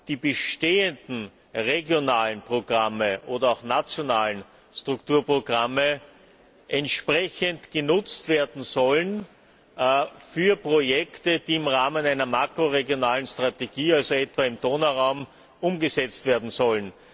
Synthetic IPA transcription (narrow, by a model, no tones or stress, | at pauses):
d̥iːbəʃteːəndn̩ | ʁeɡjonaːlənpʁ̥oɡ̥ʁaməʔoːdɐɑʊxnat͡sjonaːlən̩ | stʁ̥ʊktuːɐpʁoɡ̥ʁamə | ʔɛntʃpʁɛçəntɡ̥ənʊt͡stv̥eːɐdn̩zɔlən | fyːɐpʁojɛktəd̥iːɪmʁaːmənæɪnɐmakʁoʁeɡjonaːlənstʁ̥ateɡiːalzoɛtv̥aɪmdoːnɐʁaʊm | ʔʊmɡəzɛt͡stv̥eːɐdn̩zɔlən